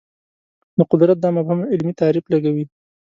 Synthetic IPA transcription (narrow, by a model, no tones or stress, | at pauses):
d̪əqʊd̪ɾat̪̚d̪ɑmabhamaɪlmit̪ɑɾiflaɡawi